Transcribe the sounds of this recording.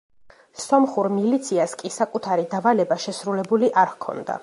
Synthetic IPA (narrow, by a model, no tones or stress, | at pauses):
sɔmχuɾmilit̪sʰiaskʼisakʼut̪ʰaɾid̪avalɛbaʃɛsɾulɛbuliʔaɾkʰɔ̰nd̪a̰